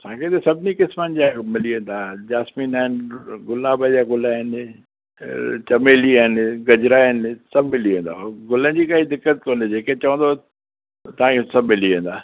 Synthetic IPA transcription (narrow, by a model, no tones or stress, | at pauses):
sãːkʰet̪esɐbʱɪnikɪsmənɪd͡ʑamɪliə̃ːnd̪aːd͡ʑaːsmiːnaːɦɪnɪɡʊlaːbəd͡ʑaːɡʊlaɦɪn | t͡ɕɐmeːliaɦɪnɡɐd͡ʑɾaɪnsɐbmɪliə̃ːnd̪aːɡʊlə̃nd͡ʑiːkaːid̪ɪkːət̪̚koːned͡ʑeːket͡ɕɐʋə̃nd̪o | t̪ɐʋ̤ãːkʰesɐbɪliẽːnd̪aː